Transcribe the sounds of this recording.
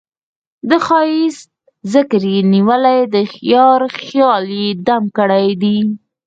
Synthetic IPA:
d̪əxɑjɪs | zəkɾjeniwəlajd̪əxjɑɾxjɑljed̪amkəɽajd̪i

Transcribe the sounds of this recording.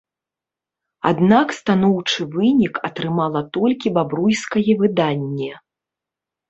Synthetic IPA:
a̰d̪nakst̪an̪ɔwt͡ʂɨvɨnʲikɐt̪ɾɨmalˠɐt̪ɔlʲkʲibabɾujskɐjɛvɨd̪anʲːɛ

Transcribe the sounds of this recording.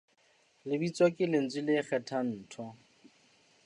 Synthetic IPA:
lɪbit͡sʼwɔkʼɪlɪn̩t͡silɪk͡xʰɛtʰan̩ːtʰɔ

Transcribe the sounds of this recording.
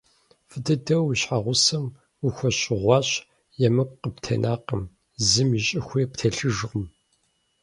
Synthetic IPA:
fɨdɨdɐwiɕħaʁʷʊsɐm | uxʷɔɕʼɪʁʷɑːɕ | jɛmɨkʷqəptʰɐ̰nʔaːqəm | zɨmiɕʼɪxʷeːptʰeɬɨʒʁʊm

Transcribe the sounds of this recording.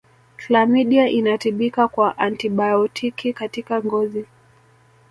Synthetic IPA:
tlamiɗiaʔinatiɓikakwaʔantiɓaɔtʰikikatikaŋɡɔzi

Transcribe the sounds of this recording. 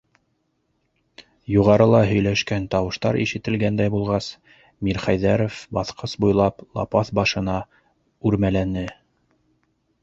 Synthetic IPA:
juʁɑɾɤlˠɑɦɵ̆jlæʃkænt̪ɑwɤ̆ʃt̪ɑɾʔḭʃɘ̆t̪ɘ̆lɡænd̪æjbulˠʁɑs | miɾχæjðæɾofbɑθqʰɤsbujlˠɑplˠɑ̰pɑθbɑʃɤ̆nɑ | ʉɾmælænɘ

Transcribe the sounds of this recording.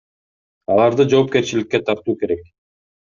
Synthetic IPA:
ɑlˠɑɾd̪ɯd͡ʒo̞ːp̚ke̞ɾt͡ʃilikːe̞t̪ʰɑɾt̪uːke̞ɾe̞k̚

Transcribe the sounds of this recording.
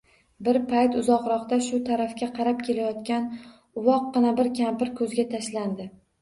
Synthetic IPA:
bɪɾpʰajt̪ʊzɒqɾɒqt̪aʃʊt̪ʰaɾafkʲaqʰɑɾap̚kʲʰe̞lajɒt̪kʲan | ʊwɒq̚ːɨnabɪɾkʲʰampɪɾkʰɵzɡʲat̪ʰaʃland̪ɪ

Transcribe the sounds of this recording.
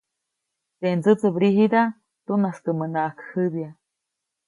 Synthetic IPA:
t̪end͡zɨt͡sɨbɾiɦid̪a | t̪unaskɨmənaːkʰhɨdja

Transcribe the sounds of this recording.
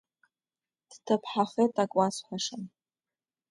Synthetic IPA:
d̥tʰɨpʰħaχetʼakʷʼasħʷaʂɨn

